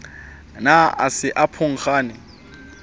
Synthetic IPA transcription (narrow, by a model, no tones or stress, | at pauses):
naa̰sɪʔapʰʊŋ̩χaːnɪ